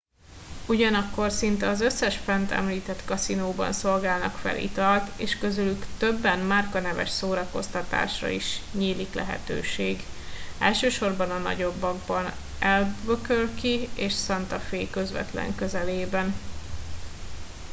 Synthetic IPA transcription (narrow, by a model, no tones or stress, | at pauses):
uɟɒnɒkːo̞rsint̪ɛɒzøsːɛʃfɛnt̪ʰɛ̰mliːt̪ɛt̪kɒsinoːbɒ̰nso̞lɡaːlnɒ̰kfɛ̰lʔḭt̪ɒlt̪eːʃkø̞zylykt̪øbːɛnmaːrkɒnɛvɛ̰ʃsoːɾɒko̞st̪ɒt̪a̰ːʃrɒ̰iʃɲiːliklɛ̰ɦɛ̰t̪ø̰ːʃeːɡ | ɛlʃøːʃo̞rbɒnɒnɒ̰ɟo̞bːɒɡbɒn | ʔɛlbøkølkieːʃsɒnt̪ɒfeːkøzvɛ̰t̪lɛ̰ŋkøzɛleːbɛn